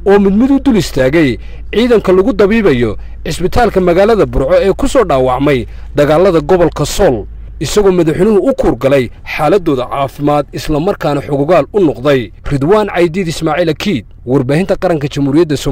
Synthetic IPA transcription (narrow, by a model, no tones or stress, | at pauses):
ʔɔːmɪd̪mɪd̪ʊd̪ʊlɪst̪ʰaːɣɛj | ʕiːðɐŋkʰɐlʊɣʊd̪ɐβiːβɐjɔ | ʕɪsbɪt̪ʰaːlkʰɐmɐɣaːlɐðɐbʊrʕɔɛːkʰʊsɔːɖaːwɑʕmɛj | d̪ɐɣaːlɐðɐɡɔβɔlkʰɐsɔl | ɪsɐɣɔːmɐðɐħɪnʊhʊʊkʰuːrɡɐlɛjħaːlɐd̪ːɔːðɐʕaːfɪmaːd̪ɪslɐmɐrkʰaːnɐħʊɣʊɣaːlʊnɔqd̪ɛj | rɪd̪waːnʕɑjd̪iːd̪ɪsmaːʕiːlɐkʰiːd̪̚ | wɑrbaːhɪnt̪ʰɐqɑɾɐŋkʰɐt͡ʃɐmhuːɾɪjɐd̪ːɐsɔ